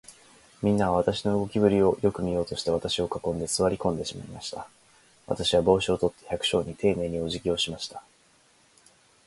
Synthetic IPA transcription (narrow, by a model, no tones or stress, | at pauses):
mʲĩnːaβaβ̞at̪aɕino̞ɯ̟ɡo̞kʲibɯ̟ɾʲio̞jo̞kɯ̟mʲijo̞ːt̪o̞ɕi̥t̪e̞β̞at̪aɕio̞kakõ̞nd̪e̞sɨβaɾʲikõnd̪e̞ɕima̰imaɕi̥t̪a | βa̰t̪aɕiβ̞abo̞ːɕio̞t̪o̞t̪ːe̞çakɯ̟̥ɕo̞ːɲ̟it̪ʰe̞ːne̞ːɲ̟io̞ʑikʲio̞ɕimaɕi̥t̪ḁ